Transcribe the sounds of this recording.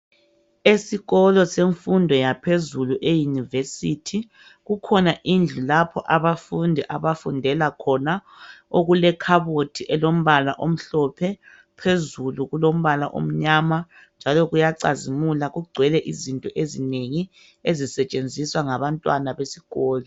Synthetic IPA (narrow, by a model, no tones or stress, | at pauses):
esiɣɔlɔseɱfundʱɔjapʰezuluʔejunivesitʰi | ɣukʰɔnaʔind͡ɮʱulapʰɔʔaβafundʱiʔaβafundʱɛlakʰɔna | oɣulɛkʰaβotʰiʔɛlom̩βalaʔom̩ɬɔpʰɛ | pʰezuluɣulom̩βala̰ʔo̰m̩ɲaːma | nd͡ʒʱalɔɣujaǀazimulaɣuɡ͡ǀʱwɛlɛʔizintʼɔʔezineŋi | ezisɛt͡ʃʼend͡zʱiswaŋaβantʼwanaβesiɣɔːlɔ